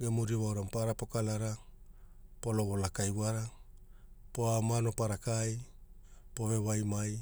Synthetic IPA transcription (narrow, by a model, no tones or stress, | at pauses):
ɡemuɾiβawɾampaɾapo̞kalaɾa | po̞lo̞βo̞lakajwaɾa | poamano̞paɾakaj | poβe̞βajmaj